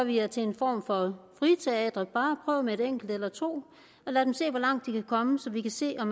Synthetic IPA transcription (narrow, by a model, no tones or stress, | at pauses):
ʋiæɐt͡sʰe̝e̝nfɒ̰ːmfɒ̽fʁit͡sʰe̝ɛ̰ːd̥ʁɐb̥ɑ̈ːpʰʁœːʊmee̝ɾeŋ̰ɡ̥l̩d̥elɐt͡sʰo̝̰ː | ɒ̽læd̥emse̝̰ːʋɒ̽lɑ̈ŋ̰d̥ːikʰækʰɒ̽məsɒ̽ʋikʰæse̝̰ːɒ̽m